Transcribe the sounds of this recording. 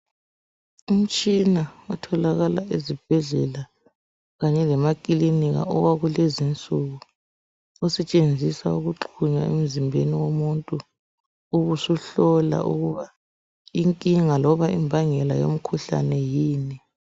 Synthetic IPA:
um̩t͡ʃʼinaɔtʰɔlaɣalaʔezib̥ʱɛɮɛla | ɣaɲɛlɛmakʼiliniɣa̰ɔwaɣulezint͡sʼuɣu | ɔsɛt͡ʃʼend͡zʱisauɣuǃʰuɲa̰ḛm̩zimbʱeniwomuntʼuː | ɣusuɬɔla̰ʔṵɣuβa | iŋkʼiŋalɔβaʔimbʱaŋɛla̰jo̰m̩kʰuɬa̰nɛjiːni

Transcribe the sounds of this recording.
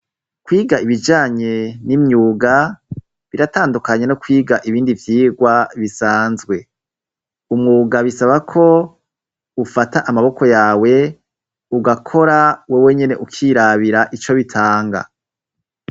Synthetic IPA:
kwiːɡaiβid͡ʒaːɲe̞nimɲuːɡa | βiɾataːndukaɲe̞nokwiːɡaʔiβiːndivjiːɡwaβisaːnzɡwe̞ | umŋuːɡaβisaβakʰo̞ | ufataʔamaβo̞ko̞jaːwe̞ | uɡakʰo̞ɾawewe̞ɲe̞ne̞ʔukʰiːɾaβiɾaʔit͡ʃo̞βitʰaːŋɡa̰

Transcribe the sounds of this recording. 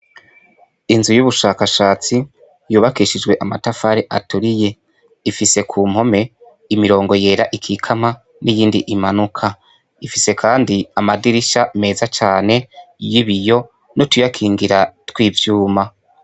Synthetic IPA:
inzujuβuʃaːkaʃaːt͡si | juːβakiʃid͡ʒɡwe̞ʔamatafaɾeʔatuɾije̞ | ifise̞kʰuːm̥ho̞me̞ | imiɾo̞ːŋɡo̞je̞ːɾaʔikʰikʰama | nijiːndiʔimanukʰa | ifise̞kʰaːndiamadiɾiʃame̞ːzat͡ʃaːne̞jiβijo̞ | notujakʰiːŋɡiɾatwiːvjuːma

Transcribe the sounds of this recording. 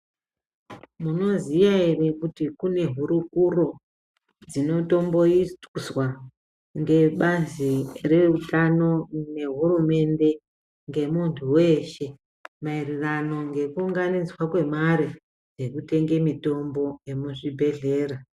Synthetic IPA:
muno̞zijairikutikune̞ɦuɾukuro̞ | d͡zino̞to̞mbo̞isuswa | ŋɡe̞ɓazire̞utano̞ne̞ɦurume̞nde̞ | ŋɡe̞muntʰuwe̞ʃe̞ | mairirano̞ŋɡe̞kuuŋɡanid͡zwakwe̞maɾi | d͡ze̞kute̞ŋɡe̞mito̞mbo̞emuʐibʱe̞ɮe̞ːɾa

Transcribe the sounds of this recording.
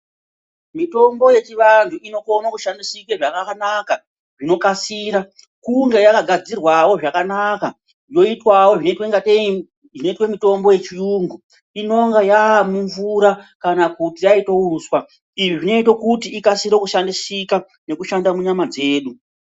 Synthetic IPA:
mito̞mbo̞je̞t͡ʃiʋantʰuino̞konakuʃandisikweʐakakanaka | ʐino̞kasiːɾa | kuŋɡe̞jakaɡʱad͡zirwawo̞ʐakanaka | jo̞itwawo̞ʐinetweŋɡate | ʐino̞itwemito̞mbo̞je̞t͡ʃijuːŋɡu | ino̞ŋɡajaːmuɱvuɾakanakutijaitouswa | iʐiʐino̞it̬okutiːkasiɾekuʃandisika | ne̞kuʃandamuɲamad͡ze̞ːɗu

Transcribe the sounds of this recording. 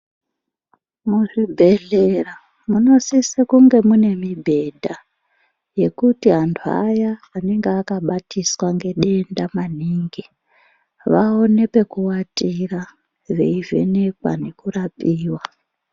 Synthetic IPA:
muʐibʱe̞ɮera | muno̞sisekuŋɡe̞mune̞mibʱe̞dʱa | je̞kutiɦantʰua̰jaːne̞ŋɡeːkaɓatʰiswaŋɡe̞ɗe̞ndamaniːŋɡi | ʋao̞ne̞pe̞kuwatʼira | ʋe̞ive̞̰ne̞kwa̰ne̞kurapʼiːwa

